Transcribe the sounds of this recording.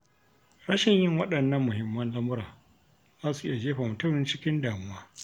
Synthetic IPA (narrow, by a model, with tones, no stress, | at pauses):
ɽɐ˦ʃɪ˨ɲjɪ˦˨ŋwɐ˦ɗɐ˨nːɐ˦mːʊ˨hɪ˦mːɐ˦nlɐ˦mʊ˦ɾa̰ː˨ | ʔa˦su˨ʔɪ˦ja˨d͡ʒeː˦ɸaː˨mʊ˨tʊ˦mɪ˨nt͡ʃɪ˦kʲɪ˦ndaː˨mʊ˦waː˦